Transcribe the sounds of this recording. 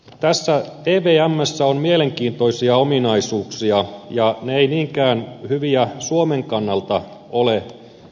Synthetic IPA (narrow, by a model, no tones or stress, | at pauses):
t̪æsːæeːʋeːæmːæsːæonmiele̞ŋkiːnt̪o̞isiɑominɑisuːksiɑjɑneejniːŋkæːnhyʋiæsuomeŋkɑnːɑlt̪ɑ | ole